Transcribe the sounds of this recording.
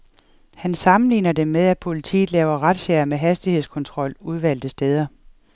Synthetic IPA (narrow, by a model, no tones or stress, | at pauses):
hænsɑ̈mn̩lḭːnɐdemːeð̞ˠæ̥pʰo̝lit͡sʰḭːð̩ˠlɛːʊɐʁad̥ɕæɐmeɦæsd̥ihe̝ðˠskʰɒ̽nt͡sʰʁɒ̽l̰uð̞ˠʋæl̰d̥əsd̥eːð̞ˠɐ